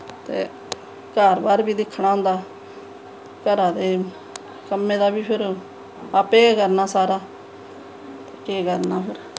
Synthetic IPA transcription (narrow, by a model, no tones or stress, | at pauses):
t̪ḛː | kaːɾbaːɾbiːd̪ɪkʰːɳaːɦʊ̃nd̪aː | kəɾaːd̪eː | kəmːẽːd̪aːbiːpʰɪɾ | aːpeːekəɾnaːsaːɾaː | t̪eːkeːkəɾnaːpʰɪɾ